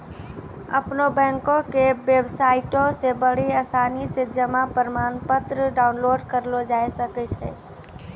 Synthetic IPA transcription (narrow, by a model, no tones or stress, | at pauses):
ɐ̰pnobɛ̃ːŋkõkeʋeːbsaːɪʈõsebəɽiaːsaːnised͡ʒəmapəɾmaːnpət̪ɾəɖaːʊnloːɖkəɾlod͡ʒaːjsəket͡ʃʰɛ̰ː